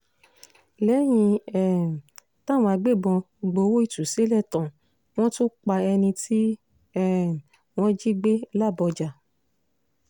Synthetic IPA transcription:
lɛ˨˦j̃ĩ˧ɛ˨ | tã˦˨w̃ɔ̃˧a˧ɡ͡be˦˨bɔ̃˧ɡ͡bo˧wo˦i˦˨tu˨se˨˦lɛ˦˨tɔ̃˨ | w̃ɔ̃˦to˦k͡pa˧ɛ˧nĩ˧tʰi˦ | ɛ˦˨ | w̃ɔ̃˦d͡ʒi˦ɡ͡be˦la˦˨bɔ˧d͡ʒa˨

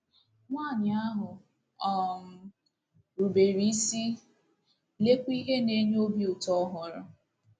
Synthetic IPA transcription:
ŋʷaː˦˨ɲɪ˨a˦ɦʊ˨ | ɔ˨ŋ̩˨ | ɾu˨be˨ɾi˦i˦si˦ | le˦kʷi˦ɦe˦ne˦ɲ˦o˦bju˨tɔ˦ɦʊ˨˦ɾʊ˦

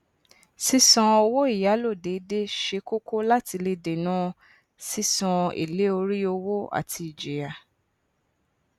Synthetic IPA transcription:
si˦sɔ̃˧o˧wo˦i˦˨ja˨˦lo˦˨de˨˦de˦ʃe˧˦ko˦ko˦la˦ti˧le˧de˨nã˦ | si˦sɔ̃˧ḛ˨le˨˦o˧ɾi˦o˧wo˦a̰˨tʰi˧i˨d͡ʒe˨ja˨

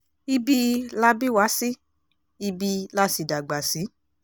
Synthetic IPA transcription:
i˦bi˦la˦bi˦˨wa˨˦si˦ | i˧bi˧la˦si˨da˨ɡ͡ba˨si˨˦

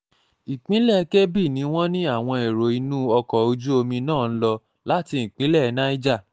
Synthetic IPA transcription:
i˨k͡pĩ˨˦lɛ˦˨˧ke˦bi˦˨nĩ˨˦w̃ɔ̃˦nĩ˦a˦˨w̃ɔ̃˧e˨ɾo˨i˧nũ˦ɔ˧kɔ˨o˧d͡ʒu˦o˧mĩ˧nãː˦˨n̩˦lɔ˧ | la˦ti˧ĩ˨k͡pĩ˨˦lɛ˦˨˧na˦i˦d͡ʒa˦˨

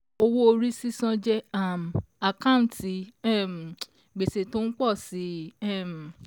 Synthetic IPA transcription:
o˧wo˦o˧ɾi˦si˦sɔ̃˧d͡ʒɛ˦a˦˨m˨a˨kã˦˨ti˧˦˨m˨ | ɡ͡be˨se˨to˦n̩˦k͡pɔ˦˨si˨˦ɛ˦˨m˨

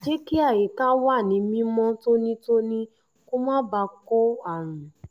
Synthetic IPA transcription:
d͡ʒe˦ki˦a˦˨je˨˦ka˦wa˦˨nĩ˨˦mĩ˧˦mɔ̃˦to˦nĩ˦to˦nĩ˦ | ko˦mã˦ba˧kɔ˦a˦˨ɾ̃ũ˨

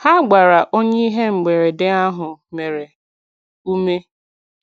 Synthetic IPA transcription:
ha˦ɡ͡ba˨ɾa˨ʔo˦ɲe˦i˦ɦe˦ŋ͡m̩˨ɡ͡be˨ɾe˨dɪ˦a˦ɦʊ˨me˨ɾe˨ | u˦me˦

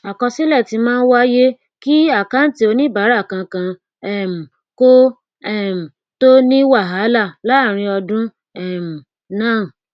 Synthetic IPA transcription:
a˨kɔ˧si˦lɛ˦˨ti˧mãː˦n̩˦wa˦je˦ | ki˦a˦˨ka˦n̩˦ti˧˦o˧nĩ˦ba˨˦ɾa˦˨kã˧kã˧ | ɛ˦˨m̩˨ | ko˦ | ɛ˦˨m̩˨ | to˦nĩ˦wa˦˨ɦa˨˦la˦˨la˨˦˨ɾ̃ĩ˧ɔ˧dũ˦ | ɛ˦˨m̩˨ | nãː˦˨

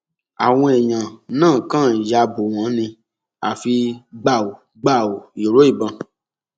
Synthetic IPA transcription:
a̰˨w̃ɔ̃˧ɛ˨j̃ã˨nãː˦˨kã˦˨ja˧bo˨w̃ɔ̃˨˦nĩ˧ | a˨fi˧ɡ͡ba˦˨o˨ | ɡ͡ba˦˨o˨jo˨ɾo˨˦i˦˨bã˧

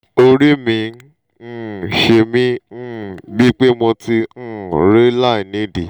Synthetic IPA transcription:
o˧ɾi˦mĩ˧ | n̩˦˨ʃe˧mĩ˦n̩˦˨bi˦k͡pe˦mɔ̃˧ti˧n̩˦˨ɾe˦la˦˨i˨nĩ˨˦di˨

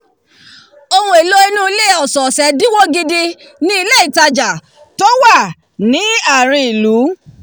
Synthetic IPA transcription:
o˧wũ˧e˨lo˦i˧nũ˦i˦le˦˨ɔ˨sɔ˨sɛ˨˦di˦wo˦ɡi˦di˧ | nĩ˦i˧le˦i˦˨ta˧d͡ʒa˨ | tɔ˦wa˦˨ | nĩ˨˦a˦˨ɾ̃ĩ˧i˨lu˨˦

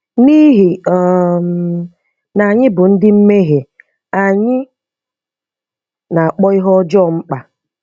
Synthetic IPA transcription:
ni˦ɦɪ˨ɔ˨m | na˨ɲɪ˦bʊ˨n̩˦dɪ˦m̩˦me˦ɦe˨ | a˨ɲɪ˦ | na˨a˨k͡pɔ˦ɪ˦ɦɔ˦d͡ʒɔ˦˨ŋ͡m̩˦k͡pa˨

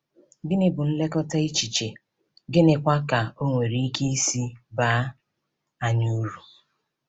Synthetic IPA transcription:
ɡɪ˦nɪ˦bʊ˨n̩˦le˦kɔ˦ta˦i˦t͡ʃi˨t͡ʃe˨ | ɡɪ˦nɪ˦kʷa˦ka˨o˦ŋʷe˨ɾi˦i˦ke˦i˦si˦baː˦ | a˦ɲu˦ɾu˨

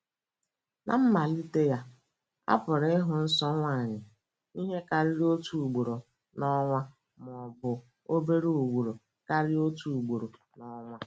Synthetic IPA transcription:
na̰˨m̩˦ma˨li˦te˦ja˦ | a̰˦pʊ˨ɾe˦ɦʊ˨n̩˦sɔ˦ŋʷa˦˨ɲɪ˨ | i˦ɦe˦ka˨ɾi˦ɾo˦tu˨u˨ɡ͡bo˨ɾo˨ | nɔ˦ŋʷa˦ | m˨ɔ˨bʊ˨ | o˦be˦ɾu˦u˨ɡʷu˨ɾo˨ | ka˦ɾɪ˦o˦tu˨u˨ɡ͡bo˨ɾo˨ | nɔ˦ŋʷa˦

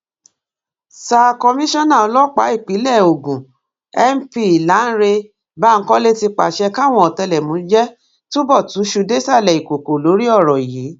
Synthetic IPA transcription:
sa˧kɔ˧mĩ˦ʃɔ̃˦nã˦˨ɔ˧lɔ˦k͡pa˨˦i˦˨k͡pi˨˦lɛ˦˨o˨ɡũ˨ | ɛ˦m̩˦pi˧i˨la˨˦n̩˦ɾe˧ | ba˦˨ŋ̩˦kɔ̃˦le˦ti˧k͡pa̰˨ʃɛ˧ka˦˨w̃ɔ̃˧˦ɔ˨tɛ˧lɛ˨mũ˨˦d͡ʒɛ˦ | to˦bɔ˦˨tũ˨˦ʃu˧de˦sa˦˨lɛ˨i˨ko˨ko˨lo˨˦ɾi˦ɔ˦˨ɾɔ˨ji˨˦

